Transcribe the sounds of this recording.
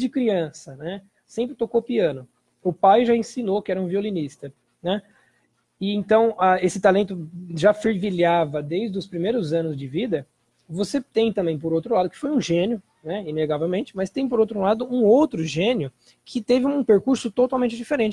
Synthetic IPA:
d͡ʒɪkɾiɐ̃sɐnɛ | sẽmpɾɪt̪okopiɐ̃nʊ | ʊpajʒaẽsinokɪɛɾɐũviolinist̪ɐ | nɛ | ɪẽnt̪ɐ̃w̃aesɪt̪alẽnt̪ʊʒafeɾviliavɐd̪ejzd̪ʊspɾimejɾʊzɐ̃nʊzd͡ʒɪvid̪ɐ | voset̪ẽj̃t̪ɐ̃mbẽj̃p̬oɾowt̪ɾʊlad̪ʊkɪ̥fojũʒẽnjʊ | nɛineɡavewmẽnt͡ʃɪmɐst̪ẽj̃poɾowt̪ɾũlad̪ʊũowt̪ɾʊʒẽnjʊ | kʰɪt̪evɪũpeɾkuɾsʊt̪ot̪awmẽnt͡ʃɪd͡ʒifeɾẽnt͡ʃ

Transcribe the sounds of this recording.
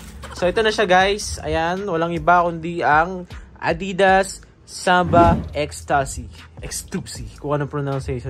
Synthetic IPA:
soʔɛt̪onɐʃaɡajsɐ̰janwɐlaŋɪbakʊnd̪iʔɐŋʔɐ̰d̪iːd̪ɐsː | abɐʔɛkst̪asiʔɛkst̪upsikʊŋɐnoŋpɹonawnsɛjʃ

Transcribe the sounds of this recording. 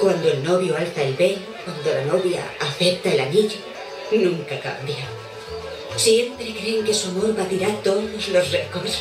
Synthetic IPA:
kwand̪oe̞lno̞βjo̞alθaelβe̞l | kwand̪o̞lano̞βja̰ːθe̞p̚t̪ae̞laniʎo | nũŋkaka̰mbjo | sje̞mpɾekɾe̞ːŋke̞suamo̞ɾβat̪iɾat̪o̞ðo̞zlo̞srekoɾs

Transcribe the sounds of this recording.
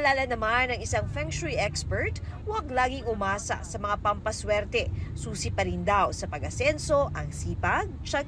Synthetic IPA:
ɐlaːlɐnɐmanɐŋɪsaŋfɛŋʃʊɹiʔɛkspɛɹt̪ | wɐɡlaːɡɪŋʊmaːsɐ̰sɐmɐŋapɐmpɐswɛɾt̪ɛsuːsɪpɐɾɪnd̪awsɐpɐɡɐsɛnso̞ʔɐŋsiːpɐɡ̚t͡ʃɐɡ̚

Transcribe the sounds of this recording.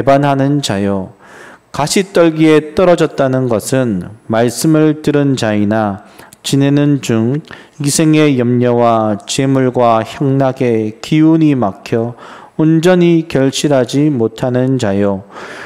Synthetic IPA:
tebanɦanɯnt͡ɕajo | kaɕʰit͈ʌɭɡie̞t͈ʌɾʌd͡ʑʌt̚t͈anɯnɡʌsʰɯnmaɭs͈ɯmɯɭtɯɾɯnd͡ʑainat͡ɕine̞nɯnd͡ʑuŋ | isʰe̞ŋe̞jʌmɲʌwat͡ɕe̞muɭɡwaçjʌŋnaɡe̞kiuɲimakʰjʌ | ond͡ʑʌɲikjʌɭɕ͈ʰiɾɦad͡ʑimotʰanɯnd͡ʑajo

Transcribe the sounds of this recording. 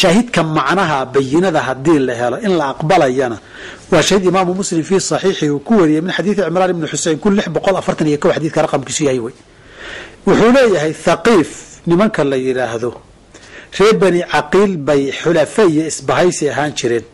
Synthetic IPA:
ʃaːɦɪd̪kʰɐmɑʕnɐɦɐbɐjːɪnɐðɐɦɐd̪iːlɐɦɛlɔʔɪnlɐɑqbɐlɐjɐnɐ | wɑːʃahiːd̪ɪmaːmʊmʊslɪmfiːsˤɑħiːħɪuːkʰʊwɐɾijɛjmɪnħɑd̪iːθɪʕɪmɾaːnɪbnʊħʊsɛjnkʰʊlːɪħbɔqɔlɐfɐrt̪ʰɐnijɐkʰɔwħɑd̪iːθkʰɐrˤɑqɑmkʰiːsʊjahɛjwɛj | wʊħuːlɛːjɐɦɛjθɑqiːfnɪmɐŋkʰɐlɐjɪɾaːhðɔ | r̥ɛːbɐniːʕɑqiːlbɛjħʊlɐfɐijɔɪsbɐɦɛjsɪɐɦaːnt͡ʃʰɪɾɛːn

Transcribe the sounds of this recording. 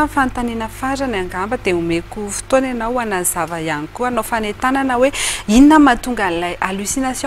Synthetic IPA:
fant̪aninəfaɾanaŋɡambəd̪eumekufi̥t̪oananawanazavajanikuanofanet̪ananəweininəmat̪uŋɡanilajʔalysinasj

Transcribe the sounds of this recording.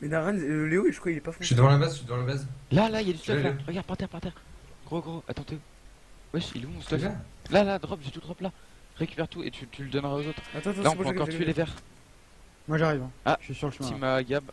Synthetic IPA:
mɛd̪aʁɛnleoiʒə̥χwailɛpafɔ̃ʃid̪əvɑ̃labazid̪əvɑ̃labazlalailjad̪ystt̪ɔklaʁəɡaʁd̪̚paʁt̪ɛʁpaʁt̪ɛʁɡʁoɡʁoʔa̰t̪ɑ̃t̪e | wɛʃḭlũt̪u̥t̪afɛlalad̪ʁɔbʒet̪ud̪ʁɔbla | ʁekʲy̥pɛʁt̪uḛt̪ʰyt̪ʰyləd̪ɔnʁaozot̪χat̪ɔ̃t̪laɑ̃øɑkɔʁt̪yelevɛʁ | mwaʒaʁivɛ̃aʃɥisyʁləʃmsimaɡʲab

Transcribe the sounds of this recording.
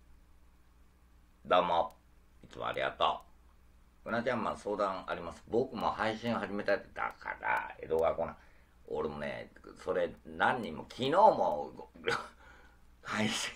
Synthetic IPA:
d̪omo | it͡sɨmo̰a̰ɾʲiɡa̰t̪o̰ː | ɯnat͡ɕãmːaso̞ːd̪ãɰ̃aɾʲimasɨ̥bo̞kɯ̟mo̞haiɕĩoɦaʑime̞t̪at̪ːed̪a̰kʰa̰ɾa̰e̞̰d̪oɡakonã̰ | oɾemo̞nḛso̞ɾe̞nãɲ̟ːĩmːo̞kʲʰino̞ːmo | kʰaĩse̥

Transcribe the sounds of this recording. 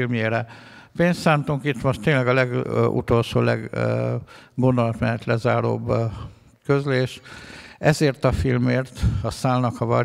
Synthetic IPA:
ilmjeːɾɛ | peːnst̪saːnt̪uŋkit̪moʃt̪ːeːnlɛɡɒlɛɡṵt̪o̞lʃo̰ːlɛɡ | ɡo̞nd̪olɒt̪mɛɦɛt̪lɛzaːɾo̰ːb | køzleːʃ | ɛzeːrt̪ɒfilmeːrt̪ɒsaːlnɒkɒvɒɾ

